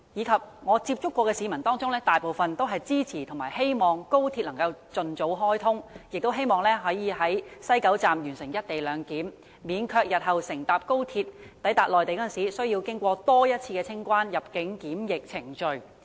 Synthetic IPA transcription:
jiː˨˧kʰɐ˨p̚ŋɔː˨˧t͡siː˧p̚t͡ʃʊ˥kːʷɔː˧kɛː˧siː˨˧mɐ˨˩nt̪ɔː˥ŋt͡sʊ˥ŋlɛː˥t̪aː˨jpo˨wfɐ˨nt̪o˥wɦɐ˨jt͡siː˥t͡sʰiː˨˩t̪ʰʊ˨˩ŋmaː˨˩he˥jmɔː˨ŋko˥wt̪ʰiː˧t̚lɐ˨˩ŋkɐ˧wt͡ʃɵ˨nt͡so˨˥wɦɔː˥jt̪ʰʊ˥ŋjɪ˨k̚t̪o˥wɦe˥jmɔː˨ŋlɛː˥ɦɐ˨˥jiː˨˧ɦɐ˨˥jsɐ˥jkɐ˨˥wt͡saː˨mjyː˨˩nsɪ˨˩ŋjɐ˥t̚t̪e˨jlœː˨˧ŋkiː˨˥m | miː˨˧nkʰœː˧k̚jɐ˨t̚ɦɐ˨wsɪ˨˩ŋt̪aː˨p̚ko˥wt̪ʰiː˧t̚t̪ɐ˨˥jt̪aː˨˩lɔː˨jt̪e˨jkɔ˥nsiː˨˥sɵ˥ɥjiː˧wkɪ˥ŋkʷɔː˧t̪ɔː˥jɐ˥t̚t͡sʰiː˧kɛ˧t͡sʰɪ˥ŋkʷaː˥njɐ˨p̚kɪ˨˥ŋkiː˨˥mjɪ˨k̚t͡sʰɪ˨˩ŋt͡ʃɵ˨ɥ

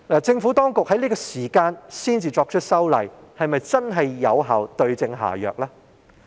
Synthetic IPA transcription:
a˨t͡sɪ˧ŋfuː˨˥t̪ɔː˥ŋkʊ˨k̚hɐ˨˥jliː˥kɔː˧siː˨˩kaː˧nsiː˥nt͡siː˧t͡sɔː˧k̚t͡ʃʰɵ˥t̚sɐ˥wlɐ˨˩jhɐ˨jmɐ˨jt͡sɐ˥nɦɐ˨jːɐ˨˧wɦaː˨wt̪ɵ˧ɥt͡sɪ˧ŋɦa̰ː˨˩jœ̰ː˨k̚laː˥

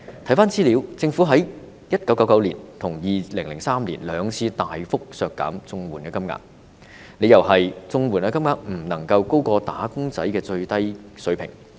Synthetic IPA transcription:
t̪ʰɐ˨˥jfaː˥nt͡siː˥li˨˥wt͡sɪ˧ŋfu˨˥ɦɐ˨˥j | jɐ˥t̚kɐ˨˥wkɐ˨˥wkɐ˨˧˥wliː˨˩nt̪ʰʊ˨˩ŋjiː˨˩lɪ˨˩ŋlɪ˨˩ŋsaː˥mliː˨˩nlœː˨˧ŋt͡sʰiː˧t̪aː˨jfʊ˥k̚sœː˧kːa̰ː˨˥mt͡sʊ˧ŋwuː˨˩nkɛː˧kɐ˥mŋa̰ː˧k̚ | ne˨˧jɐ˨˩wɦɐ˨jt͡sʊ˧ŋwuː˨˩naː˧kɐ˥mŋaː˧k̚m̩˨˩nɐ˨˩ŋkɐ˧wko˥wkɔː˧t̪aː˨˥kʊ˥ŋt͡sɐ˨˥jkɛː˧t͡ʃɵ˧ɥt̪ɐ˥jsɵ˨˥ɥpʰɪ̰˨˩ŋ

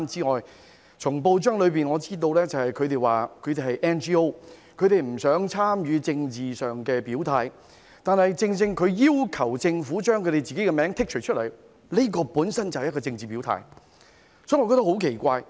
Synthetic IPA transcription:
mt͡siː˥ŋɔː˨j | t͡ʃʰʊ˨˩ŋpo˧wt͡ʃœː˥ŋlɵ˨˧piː˨˩nŋɔː˨˧t͡siː˥t̪o˧wlɛː˥t͡sɐ˨whɐ˨jkʰɵ˨˧t̪e˨jwaː˨kʰɵ˨˧t̪e˨ɦɐ˨jʔɛ˥nt͡ʃiː˥o˥wkʰɵ˨˧ɥt̪e˨jm̩˨˩sœː˨˥ŋt͡sʰaː˥mjyː˨˧t͡sɪ˧ŋt͡siː˨˩sœː˨ŋkɛː˧piː˨˥wt̪ʰaː˨˧j | t̪aː˨nhɐ˨jt͡sɪ˧ŋt͡sɪ˧ŋkʰɵ˨˧ɥjiː˥wkʰɐ˨˩wt͡sɪ˧ŋfuː˨˥t͡ʃœː˥ŋkʰɵ˨˧ɥɾe˨jt͡siː˨ke˨˥jkɛ˧mɛː˨˥ŋt̪ʰɪ˥k̚t͡ʃʰɵ˨˩t͡ʃʰɵ˥t̚lɐ˨˩j | le˥k̬ɔː˧puː˨˥nsɐ˥nt͡sɐ˨hjɐ˥kɔː˧t͡sɪ˧ŋt͡siː˨piː˨˥wt̪ʰa̰ː˧j | sɔ˨˥jŋɔ˨˧kɔː˧t̪ɐ˥hɦo˨˥wkʰe˨˩jkʷaː˧j

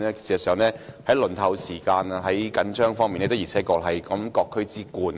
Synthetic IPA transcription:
ɛ˥siː˨˩sɐ˨sœː˨˩ŋnɛː˥hɐ˨˥jlɵ˨˩nt̪ʰɐ˨˩wsiː˨˩kaː˧na˧ɦɐ˨˥jkɐ˨˥nt͡ʃœː˥ŋfɔː˥ŋmiː˨nɛː˥t̪o˥ji˨˩t͡sʰɛː˨˥kɔː˧˥k̚ɦɐ˨jkɐ˨˥mkɔː˧kʰːɵ˥ɥt͡siː˥kuː˧n

